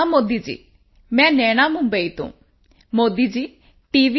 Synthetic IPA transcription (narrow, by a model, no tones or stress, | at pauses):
amod̪id͡ʒḭ | mɛ̃nɛːɽ̃amũmbəit̪ṵ̃ː | moːd̪id͡ʒi | ʈiʋi